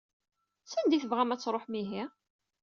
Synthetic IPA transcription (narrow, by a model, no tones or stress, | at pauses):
sænd̪iθəvʁæmæt͡sːɾˤoħmiɦi